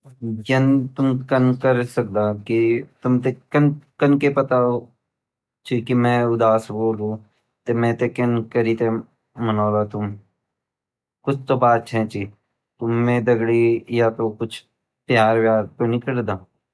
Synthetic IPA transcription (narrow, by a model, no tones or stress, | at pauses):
d͡ʒɐnt̪ʊmkənkəɾsək̚d̪aːkit̪ʊmt̪ekənkənkepɐt̪ao | t͡ʃikimɛ̃ːʊd̪aːsboːluː | t̪emɛ̃ːt̪ekɐnkəɾiːt̪e | mənaːlaːt̪ʊm | kʊt͡ʃʰt̪obaːt̪t͡ʃʰɛ̃t͡ʃiː | t̪ʊmːẽːd̪əɡɽijat̪okʊt͡ʃʰ | pjaːɾʋjaːɾt̪onikəɽd̪aː